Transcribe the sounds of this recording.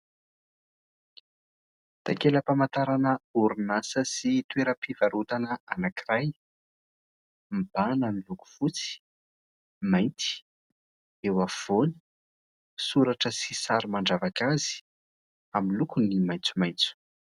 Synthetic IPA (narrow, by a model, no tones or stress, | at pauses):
t̪a̰keləpamant̪aɾanəuɾinasəsit̪uweɾəpivaɾut̪anəʔanakiraj | mib̥ananiluku̥fut͡si̥ | majnt̪i̥ | ewav̥oni̥ | suɾaʈ͡ʂəsisaɾumaɳɖ͡ʐavakazi̥ | amilukunimajnt͡sumajnt͡su̥